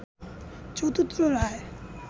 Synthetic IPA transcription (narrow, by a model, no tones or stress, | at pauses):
t͡ɕod̪ut̪ːɾoɾae